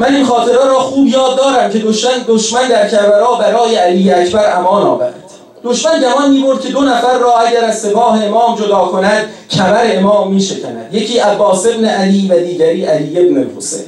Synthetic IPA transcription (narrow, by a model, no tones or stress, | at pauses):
mæninxɒːt̪ʰe̞ɾeɾɒːxuːbjɒːd̪ːɒːɾæmcʰe̞d̪oʃænd̪oʃmænd̪æɾcʰæɾbæɾɒːbæɾɒːjeæliːjːeæcʰbæɾæmɒːnɒ̰ːvæ̰ɾæ̰d̪̥ | d̥̪o̞ʃmænd͡ʒæmɒːnmiːbo̞ɾd̪̚kʲcʰe̞d̪onæfæɾːɒːæɟæɾæzse̞pɒːɦe̞emɒːmd͡ʒod̪ɒːkʰo̞næd̪̥ | cʰæbæɾeemɒːmːiːʃecʰænæ̰d̪̥je̞cʰiːʔæbːɒːse̞bneʔæliːvæd̪iːɟæɾiːʔæliːjːe̞bnepo̰sḛː